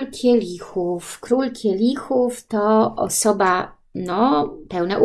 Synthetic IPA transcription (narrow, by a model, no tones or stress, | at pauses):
lkʰʲɛlʲixufkɾulkʲʰɛlʲixuft̪ɔɔ̰sɔba | nɔpɛwnaʔu